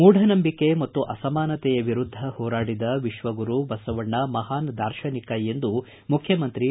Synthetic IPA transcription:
muːɖʱɐnɐmbikːemɐt̪ːuʔɐsɐmaːnɐt̪ɛjɐʋiɾud̪ʱːɐhɔːɾaːɽid̪ɐʋiʃʋɐɡuɾubɐsɐʋɐɳːɐmɐɦaːnd̪aːɾʃɐnikɐend̪u | mukʰjɐmɐnt̪ɾi

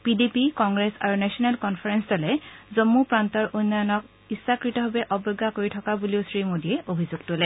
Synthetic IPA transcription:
pidepikɔŋɡɹɛsa̰ɹunɛsiɔnɛlkɔnpʰaɹɛnsdolɛzomːupɹantɔɹʔunːajɔnɔk̚ | isːakɹitɔɦobɛʔɔbɔɡːakoɹitʰɔkabuliʊsɹimodiɛʔobʱizuɡ̚tolɛ

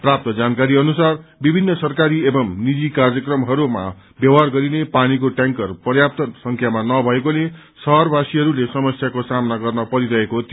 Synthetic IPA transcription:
prap̚t̪ʌd͡zankaɾiʌnusarbibʱinːʌsʌrkaɾiebʌmnid͡zikarjʌkrʌmɦʌɾuma̰ | bjʌwɦarɡʌɾinepanikoʈaŋkʌrpʌrjap̚t̪ʌnsʌŋkʰjamanʌbʱʌekole | sʌɦʌrbʱasiɦʌɾulesʌmʌsjakosamnaɡʌrnʌpʌɾid̪ʌekot̪

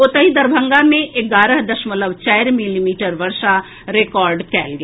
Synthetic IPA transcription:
ot̪əɦid̪ɐɾbʱə̃ŋɡamẽʔɪɡaːɾəɦd̪ɐʃmələbt͡ʃaːɪɾmɪlimiːʈəɾʋɐɾʃa | ɾekɔːɾɖkɛ̰ːlɡɐ

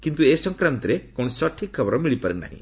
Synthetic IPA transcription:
kint̪uesʌŋkrant̪iɾekunsʌʈʰːikʰːʌbɾmilipʌɾena̰ɦḭ̃

